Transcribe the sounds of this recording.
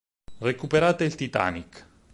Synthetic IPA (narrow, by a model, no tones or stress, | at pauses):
rekupeɾaːt̪eilt̪it̪a̰nik